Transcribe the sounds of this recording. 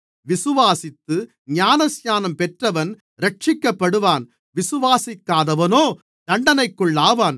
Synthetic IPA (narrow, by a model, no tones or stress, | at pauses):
ʋɪsɯʋaːsɪt̪ːɯ | ɲaːnɐsjaːnɐmpɛʈrɐʋɐn | ɾɐʈ̚t͡ʃɪkːɐpːɐɽɯʋaːn | ʋɪsɯʋaːsɪkːaːðɐʋɐnoː | d̪ɐɳɖɐnɐɪkːɯɭːaːʋaːn